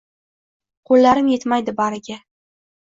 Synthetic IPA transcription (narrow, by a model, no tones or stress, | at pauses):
qʰolːaɾɪmje̞t̪majd̪ɪbaɾɪɡʲa